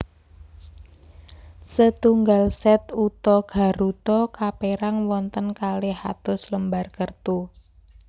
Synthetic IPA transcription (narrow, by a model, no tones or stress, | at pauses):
sət̪uŋɡalsɛt̪ut̪ɔɡ̥a̤ɾut̪ɔkapeɾaŋwɔnt̪ənkaleha̰t̪ʊsləmbarkərt̪u